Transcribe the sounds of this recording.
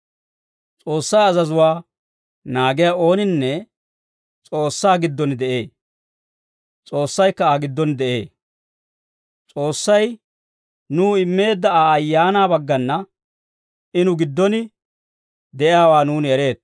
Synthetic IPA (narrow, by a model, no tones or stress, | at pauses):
t͡sʼo̞ːsːɐjɐzɐzʊwaː | naːɡɪjao̞ːnɪnːɛ | t͡sʼo̞ːsːaːɡɪd̪ːɔnɪd̪ɛʔe̞ː | t͡sʼo̞ːsːɐjkːɐaːɡɪd̪ːɔnd̪ɛʔe̞̰ː | t͡sʼo̞ːsːɐj | nuːɪmːe̞ːd̪ːɐaːɐjːaːnaːbɐɡːɐnːɐ | ɪnʊɡɪd̪ːɔnɪ | d̪ɛʔɪjaːwaːnuːnɛɾe̞ːt̪